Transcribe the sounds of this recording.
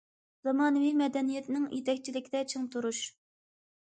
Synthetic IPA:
z̥ɑmɑːnɨvijmɛd̪ɛnijɛt̪nɪŋjʔet̪ʰɛkʲt͡ʃʰilɪkʲid̪ɛt͡ʃʰeŋt̪ʰuɾuʃ

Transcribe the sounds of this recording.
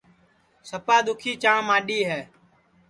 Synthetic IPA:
səpaːd̪ʊkʰiːt͡ʃãːmãːɗiːɦɛː

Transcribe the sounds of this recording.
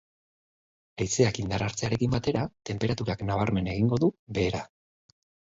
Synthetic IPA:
ejse̞akind̪aɾaɾt͡se̞aɾe̞kimbat̪e̞ɾat̪e̞mpe̞ɾat̪uɾaknaβ̞aɾme̞ne̞ɣ̞iŋɡo̞ðuβe̞ːɾa

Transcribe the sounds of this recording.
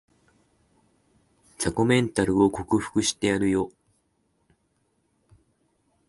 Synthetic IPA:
sako̞mẽ̞nt̪aɾɯ̟o̞ko̞kɯ̟ɸɯ̥kɯ̟ɕi̥t̪e̞aɾɯ̟jo̞

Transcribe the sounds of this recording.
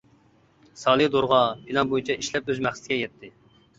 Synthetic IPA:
sɑlˠɨd̪oɾʁɑpʰilɑnbojint͡ʃʰɛʔiʃlɛpøzmæχsɪt̪ʰɪɡʲɛjɛt̪ʰːɪ

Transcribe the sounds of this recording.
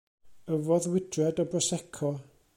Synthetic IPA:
əvɔðwɪdrɛdɔbrɔsɛkʰɔ

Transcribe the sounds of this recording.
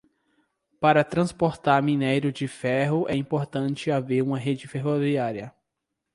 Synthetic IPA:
paɾɐt̪ɾɐ̃spoɾt̪aɾmĩnejɾʊd͡ʒɪfɛɦʊʔɛĩpoɾt̪ɐ̃nt͡ʃɪaveɾũmɐɦed͡ʒɪfeɦoviaɾjɐ

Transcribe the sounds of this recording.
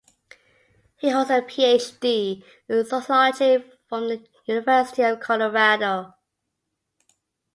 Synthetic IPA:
hiɦəzəpʰieɪt͡ʃd̥i | ɪsəsaɪəti | fɹə̃mðə | jʉnɪvɜˑsɪ̥tiəv̥kʰɔləɹaɾoʊ

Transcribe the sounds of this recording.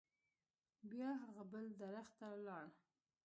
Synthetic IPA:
bjɑɦaɣabəld̪aɾaxt̪alɑɽ

